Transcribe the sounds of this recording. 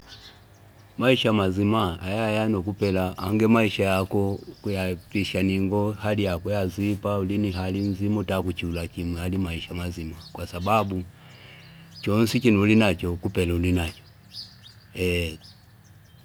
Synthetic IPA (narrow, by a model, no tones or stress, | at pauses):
maiʃamazimaːjajanɔkupɛlaʔa̰ŋɡɛmaiʃajakɔkujapiʃaniŋɡɔhalijakɔjazipauliniɦalinzimutakut͡ʃulakimwɛalimaiʃamazimakwasababu | t͡ʃɔnsikinulinat͡ʃɔkupɛlaulinat͡ʃɔ̥ | ɛ